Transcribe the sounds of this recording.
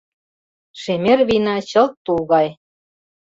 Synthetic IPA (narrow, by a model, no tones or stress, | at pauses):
ʃemerβinɑt͡ɕɤ̆lt̪ːulɣɑj